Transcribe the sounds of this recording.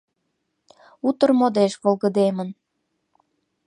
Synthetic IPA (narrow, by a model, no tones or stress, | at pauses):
ut̪ə̆rmod̪eʃβolɣəd̪emən